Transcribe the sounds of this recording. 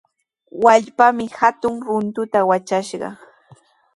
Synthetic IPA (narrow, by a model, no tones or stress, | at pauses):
waʎpamɪhat̪ʊŋɾʊnt̪ʊt̪awat͡ʃaʃɢɑ̰